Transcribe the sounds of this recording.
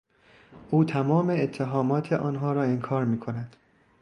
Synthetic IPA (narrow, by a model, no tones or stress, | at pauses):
ʔuːt̪ʰæmɒːmeːt̪ʰːeɦɒːmɒːt̪ʰeʔɒːnɦɒːɾɒːeŋkʰɒːɾmiːkʰo̞næd̪̥